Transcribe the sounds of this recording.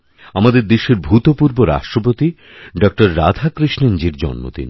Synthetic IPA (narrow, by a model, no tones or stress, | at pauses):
amad̪eɾd̪eʃeɾbʱut̪opuɾboɾa̰ʃʈɾop̬ot̪i | ɖɔk̚ʈoɾːad̪ʱakɾiʃnend͡ʑiɾd͡ʑɔ̰nːo̰d̪ḭn